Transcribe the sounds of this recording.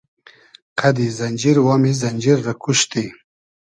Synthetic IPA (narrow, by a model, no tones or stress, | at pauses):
qʰad̪izanʲd͡ʒiɾwamizanʲd͡ʒiɾːakuʃt̪i